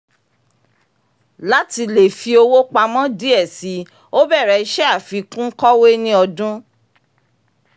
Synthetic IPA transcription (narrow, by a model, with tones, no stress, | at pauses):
la˦ti˧le˨fi˧o˧wo˦k͡pa˧mɔ̃˦di˦ɛ˦˨si˨˦ | o˦bɛ˦˨ɾɛ˨i˦ʃɛ˦a˦˨fi˨˦kũ˦kɔ˦we˦nĩ˦ɔ˧dũ˦